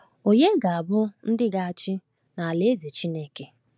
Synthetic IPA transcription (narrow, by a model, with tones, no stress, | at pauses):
o˨ɲe˦ɡa˨a˨bʊ˦n̩˦dɪ˦ɡa˨a˨t͡ʃɪ˦ | na˨a˨le˦ze˨t͡ʃi˦ne˦ke˨